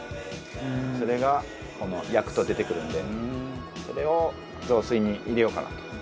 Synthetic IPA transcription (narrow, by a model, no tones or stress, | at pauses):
so̞ɾe̞ɡa | ko̞no̞jakɯ̟̥t̪o̞d̪e̞t̪e̞kɯ̟ɾɯ̟̃nd̪e̞ | so̞ɾe̞o̞ | zo̞ːsɨiɲ̟iʔiɾe̞jo̞ka̰na̰t̪o̥